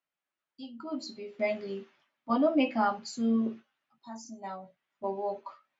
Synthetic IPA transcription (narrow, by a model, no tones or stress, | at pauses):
iɡud̚tubifɹɛ̃ndli | wɔnomekãm̩tʰu | pʰasɔnal | fɔwɔk